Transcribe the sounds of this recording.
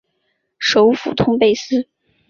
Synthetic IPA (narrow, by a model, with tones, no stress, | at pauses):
ʂo˧˥ʊfṵ˨˩t̪ʰʊ˥ŋpe˥˩ɪsɹ̩˥